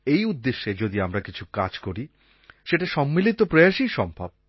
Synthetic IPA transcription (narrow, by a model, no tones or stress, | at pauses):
ejud̪ːeʃːed͡ʑod̪iamɾakit͡ɕʰukad͡ʑkoɾi | ʃeʈaʃɔmːilit̪opɾojaʃiʃɔmbʱab̚